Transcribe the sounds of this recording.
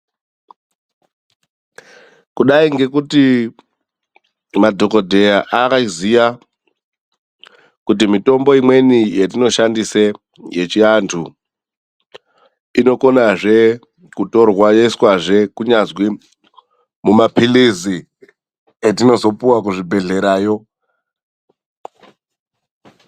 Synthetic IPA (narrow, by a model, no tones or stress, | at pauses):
kuɗaiŋɡe̞kuti | madʱo̞kodʱe̞jaʔakaiziʋa | kut̬imito̞mbo̞imwe̞nijetino̞ʃandise | jet͡ʃiantʰu | ino̞ko̞naʐe̞ | kuto̞rwajeiswaʐe̞kuɲazwi | mumapilizi | etino̞zo̞puwakuʐibʱe̞ɮe̞ɾaːjo̞